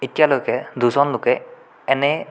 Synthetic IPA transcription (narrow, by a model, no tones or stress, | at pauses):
itijalojkɛd̪uzɔnlʊkɛ | ɛnɛ